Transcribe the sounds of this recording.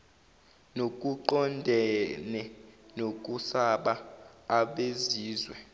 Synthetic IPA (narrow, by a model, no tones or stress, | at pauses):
nokʼuǃɔndʱɛnɛnok̬ʼusaɓaː | ɓeziːzwɛ